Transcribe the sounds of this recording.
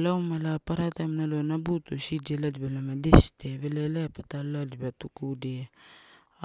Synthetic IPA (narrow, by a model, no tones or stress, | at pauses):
lawmalapaɾatamnalonabutosid͡ʒeladibalamadesteβelelapataladibatukude